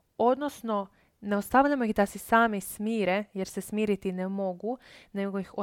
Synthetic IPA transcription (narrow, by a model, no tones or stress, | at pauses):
o̞d̪nosno̞ | ne̞ost̪aʋʎamo̞jixd̪asesaːmismiːɾeje̞ɾsesmiːɾit̪inemo̞ɡune̞ɡojixo